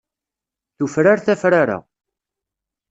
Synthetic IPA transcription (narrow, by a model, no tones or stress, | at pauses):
θufɾaɾθæfɾaɾa̰